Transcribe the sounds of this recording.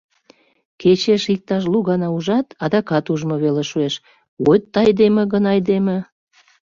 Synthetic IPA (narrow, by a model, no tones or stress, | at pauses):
ket͡ɕeʃik̚t̪ɑʃ̬luɣɑnɑuʒɑt̪ʰɑd̪ɑkɑt̪uʒmoβeleʃueʃ | wojt̪ːɑjd̪emĕɣənɑjd̪emĕ